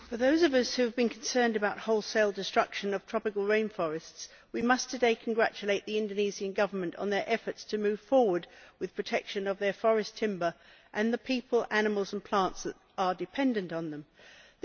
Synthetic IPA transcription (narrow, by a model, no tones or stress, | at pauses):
fə˞ðoʊzʌvʌshʉɨvbɨ̃nkʰn̩sɜ̃˞ndɨbaʊt̚hoʊlˠseɪlˠdɨstɹ̥ʌkʃɨ̃nʌv̥tʰɹ̥ɑpɨkəlˠɹẽɪ̃nfɔɹɨsts | wimʌstʰɨdeɪkʰn̩ɡɹæ̰t͡ʃɨleɪtʔ̪̚ðiɪ̃ndoniziɨ̃nɡʌvə˞mɨ̃ntn̩ðə˞ʔɛfə˞tstʰɨmʉv̥fɔɹwə˞d̚wɨð̥pʰɹ̥ɨtʰɛkʃɨ̃nʌvðə˞fɔɹɨstʰɪ̃mbə˞ʔɨ̃nðɨpʰipʰəlˠænɨməl̩ˠzə̃n̩pʰl̥ɑ̃ntsəɾ | ə˞dɨpʰɛ̃ndɨ̃ntn̩ðə̃m